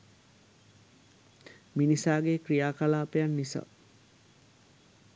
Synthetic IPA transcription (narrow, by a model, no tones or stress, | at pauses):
minisaːɡekrijaːkalaːpejanːisa̰